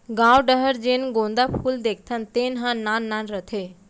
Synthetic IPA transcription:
ɡãʋɖəɦəɾd͡ʒenɡõnd̪apʰuːld̪ekʰt̪ʰənt̪eːnɦãnanːanɾət̪ʰe

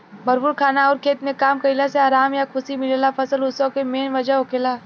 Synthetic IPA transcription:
bɐɾpuːɾkʰaːnaɔːɾkʰeːt̪mekaːmkɐɪlaseaːɾaːmjakʰʊsimɪlelapʰɐsəlʊsõkemeːnʋɐd͡ʒaɦokeːlaː

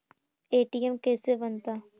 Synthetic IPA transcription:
eːʈijɐmkeːseʋɐnd̪a

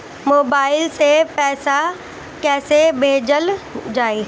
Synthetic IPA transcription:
moːbaːɪlsepɛːsa | kɛːsebʱeːd͡ʑəld͡ʑaːeː

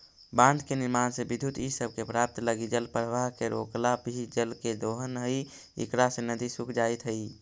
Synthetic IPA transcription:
bãnd̪ʱkeniɾmansebid̪ʱut̪isəb̚ʱkepɾap̚t̪ləɡid͡ʒəlpɾəʋaɦkeɾo̰klabʱid͡ʒəlked̪oɦənɦəi | ḭkɾasenəd̪isukʰd͡ʒajt̪ɦəi

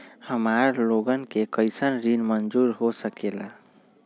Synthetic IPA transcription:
həmaɾloɡənkekəjsənɾinmənd͡ʒuɾɦosəkela

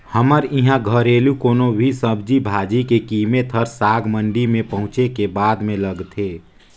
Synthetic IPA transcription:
həməɾɪɦãɡʱəɾeːlukoːnobʱisəbd͡ʒibʱaːd͡ʒikekiːmet̪ʰəɾsaːɡmə̃ɳɖimẽpəɦʊ̃t͡ʃekebaːd̪mẽləɡt̪ʰeː

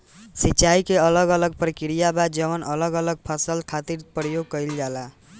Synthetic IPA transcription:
sit͡ʃaikeələɡələɡ̚pɾəkiɾijabad͡ʒʌʋənʔʌləɡələɡ̚pʰəsəlkʰat̪iɾpəɾjoɡ̚kʌjld͡ʒala

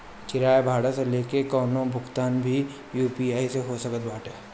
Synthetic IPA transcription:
t͡ʃɪɾaːebʱaːɽaseleːkekɔːnõbʱʊɡt̪aːnbʱi | juːpiaːiseɦosɐkət̪̚baːʈɛː

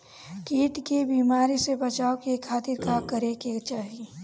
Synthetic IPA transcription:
kiːʈkebiːmaːɾisebət͡ʃaːokekʰaːt̪ɪɾkakəɾeket͡ʃaːɦie

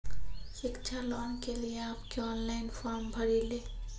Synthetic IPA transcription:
sikt͡ʃʰalɔnkelijeapkeɔnlaɪnpʰɔɾmbʱəɾile

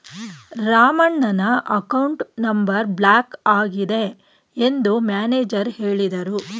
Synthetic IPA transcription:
ɾaːmɐɳːɐnɐʔɐkɐwɳʈnɐmbɐɾbɭaːkaːɡid̪e̞ | end̪umjaːneːd͡ʒɐɾheːɭid̪ɐɾu

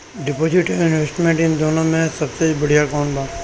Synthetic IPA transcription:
ɖɪpoːd͡ʒɪʈeɪnʋesʈmẽɳʈɪnd̪oːnõmẽsɐbsebɐɽ̤ijakɔːnd̪ãː

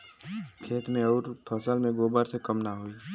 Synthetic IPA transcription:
kʰeːt̪mẽɔːɾpʰəsəlmẽɡoːbaːɾsekəmnaɦoiː

